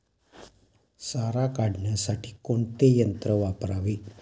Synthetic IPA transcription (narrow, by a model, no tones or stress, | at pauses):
saɾakaɽʱɳjasaʈiːkoɳt̪ejənt̪ɾəʋapɾaʋiː